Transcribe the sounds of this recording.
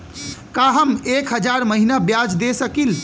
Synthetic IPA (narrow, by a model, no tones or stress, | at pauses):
kaɦəmekɦəd͡ʒaɾməɦinabjad͡ʒd̪esəkil